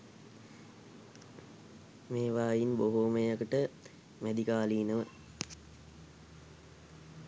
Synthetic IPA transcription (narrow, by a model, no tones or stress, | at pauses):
meːʋaːjinboɦoːmejakəʈə | mæd̪ikaːliːnəʋə